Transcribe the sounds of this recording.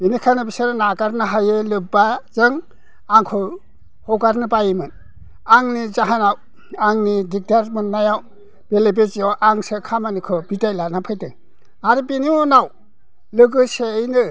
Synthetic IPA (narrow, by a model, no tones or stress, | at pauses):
binikʰanɯbisaɾnaɡaɾnɯɦajɯlɯbazɯŋ | aŋkʰɯ | hɔɡaɾnɯbajɯmɯn | aŋnizaɦanaw | aŋnidik̚daɾmɯnːajaw | b̥elebet͡ʃjawʔaŋsɯkʰamanikʰɯbitajlanapʰajtɯ | aɾibiniɔnaw | lɯɡɯseːjnɯ